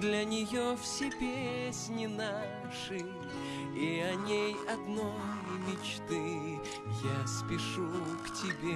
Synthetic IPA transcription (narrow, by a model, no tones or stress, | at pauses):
d̪lʲɐnʲɪjofsʲepʲesʲnʲɪna | ʂɨ | iɐnʲejɐd̪nojmʲɪt͡ɕt̪ɨ | jaspʲɪʂuktʲɪbʲe